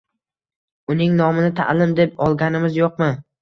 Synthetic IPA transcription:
ʊnɪŋnɒmɪnɪt̪ʰa̰lɪmd̪e̞p̚ɒlˠɡʲanɪmɪzjoq̚mɪ

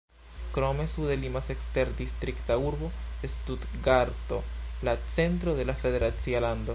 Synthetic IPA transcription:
kɾo̞me̞sudelimasekste̞ɾd̪ist̪ɾiktauɾbo̞estutɡaɾto̞̰lat͡se̞ntɾo̞d̪e̞lafe̞de̞ɾat͡sialando̞

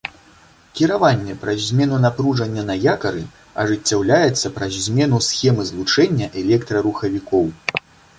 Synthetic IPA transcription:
kʲiɾavanʲːɛpɾɐzʲmʲɛnunapɾuʐɐnʲːɐnɐjakɐɾɨ | ɐ̰ʐɨt͡sʲːawlʲajɛt̪sːɐpɾɐzʲzʲmʲɛn̪usʲxʲɛmɨzlˠut͡ʂɛnʲːɐʔɛlʲɛkt̪ɾɐɾuxɐvʲikɔw

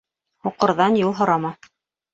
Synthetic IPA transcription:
huqɤ̆ɾðɑnjulˠɦŏɾɑmɑ

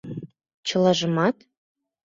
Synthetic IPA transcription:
t͡ɕə̆lɑʒəmɑt̪

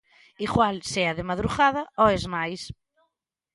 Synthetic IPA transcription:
ikwalseɐðɪmaðɾuɣaðɐoezmajs

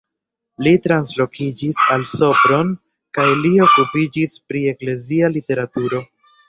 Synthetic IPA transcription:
litɾanslo̞kid͡ʒisalso̞pɾo̞n | kajlio̞kupid͡ʒispɾie̞kle̞zialite̞ɾatuɾo̞

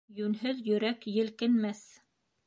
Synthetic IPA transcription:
jʉnɦɵðjɵ̆ɾækjɘ̆lkɘ̆nmæθ

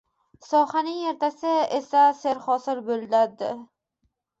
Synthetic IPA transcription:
sɒhanɪŋe̞ɾt̪ʰasɪesaseɾχɒsɪɾbɵlˠd̪aɾd̪ɪ̰

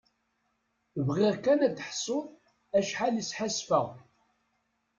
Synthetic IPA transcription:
vʁɪʁkænæt̪ːħsˤʊðˤ | æʃħalisħasfəʁ

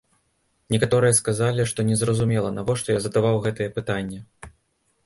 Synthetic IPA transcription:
nʲɛkat̪ɔɾɨjɐskazalʲiʂt̪ɔnʲɛzrɐzumʲɛlˠɐnavɔʂt̪ɔjazɐd̪avawɣɛt̪ɨjɛpɨt̪anʲːɐ

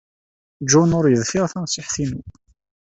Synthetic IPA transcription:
d͡ʒunʊɾˤjəðfɪʁθæmsɪħθinu

